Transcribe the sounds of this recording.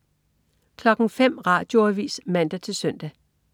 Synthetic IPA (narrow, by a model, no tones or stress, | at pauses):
kʰlɒ̽ɡ̥ŋ̩fem̰ʁɑ̈ːd̥jo̝ɐʋḭːsmæn̰d̥æt͡sʰe̝lsœn̰d̥æ